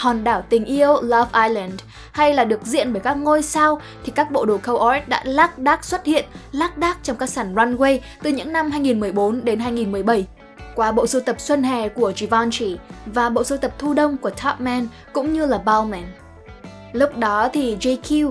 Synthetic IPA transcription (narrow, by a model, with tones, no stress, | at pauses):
hɔ˨˩nɗaː˧˩wt̪ï˨˩ŋ̟ʔi˧əwla˧vʔaː˧jlɛ˨˩nd | ha˧jlaː˨˩ɗɨ˨˩ək̚zḭ˧˨ənɓəː˧˩jkaː˦˥k̚ŋo˧jsa˧w | t̪ʰi˨˩kaː˦˥k̚ɓo̰˧˨ɗo˨˩kə˧wʔɔ˧˦˥t̚ɗa̰ː˧˥laː˦˥k̚ɗaː˦˥k̚swə˦˥t̚hḭ˧˨ənlaː˦˥k̚ɗaː˦˥k̚t͡ɕɔ˧ŋ͡mkaː˦˥k̚saː˧˩nzwa˧nɣwe˧j | t̪ɨ˨˩ɲɨ̰˧˥ŋna˧mhaː˧jŋi˨˩nmɨ˨˩əjɓo˨˦nɗe˨˦nɦaː˧jŋi˨˩nmɨ˨˩əjɓə˧˩j | kwaː˨˦ɓo̰˧˨sə˨˧˦t̪ə˨˩p̚swə˧nɦɛ̰˧˨˩ku˧˩əzi˧˩vɔ˧nt͡ɕi˧˩vaː˨˩ɓo̰˧˨so˨˦t̪ə˨˩p̚t̪ʰu˧ɗə˧wŋ͡mku˧˩ət̪ʰɔ˦˥p̚mɛ˧n | kʊ̰˧˥ŋ͡mɲɨ˧laː˨˩ɓa˧wmɛ˧˩n | lʊ˦˥k͡p̚ɗɔ˨˦t̪ʰi˨˩zi˧jkʰi˧w